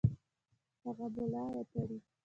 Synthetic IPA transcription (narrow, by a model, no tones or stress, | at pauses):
haɣabʊlɑɾap̪aɽi